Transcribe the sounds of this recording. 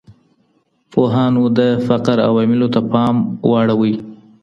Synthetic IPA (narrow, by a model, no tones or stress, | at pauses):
poɦɑnod̪əfaqɾa̰wɑmɪlot̪apɑmwʔɑɽawəj